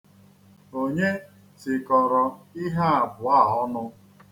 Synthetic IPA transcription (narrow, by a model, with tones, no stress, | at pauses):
o˦ɲe˦ | sɪ˨kɔ˨ɾɔ˨i˦ɦa˦a˨bʊ˨a˦˨ɔ˦nʊ˦